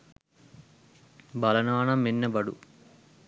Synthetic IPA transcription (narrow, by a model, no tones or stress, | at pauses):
bɐlɐnaːnɐminːɐbɐɽṵ